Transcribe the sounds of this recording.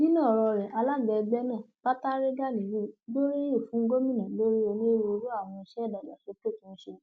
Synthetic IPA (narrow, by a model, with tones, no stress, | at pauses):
nĩ˦nã˦˨ɾɔ˧ɾɛ˨ʔa˧la˦ɡɛ˧ɡ͡bɛ˦nã˦˨ba˦ta˦ɾe˦ɡa˦le˨ɾi˦˨˦ɡo˦ɾi˦jo˦˨fũ˨˦ɡo˦mĩ˦˨nã˨lo˦ɾi˦o˧nĩ˦e˦wo˧ɾu˦a˦˨w̃ɔ̃˧i˧˦ʃɛ˦˨da˨la̰˨ʃo˨˦to˦˨tĩ˦n̩˦ʃe˧˨